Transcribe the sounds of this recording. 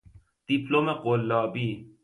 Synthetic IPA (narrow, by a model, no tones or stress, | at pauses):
d̪̥iplomeqolːɑːbi